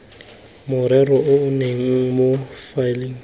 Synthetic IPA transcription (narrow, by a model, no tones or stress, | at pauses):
mʊɾɛɾɔʔʊʊneŋ̩mofaliŋ̩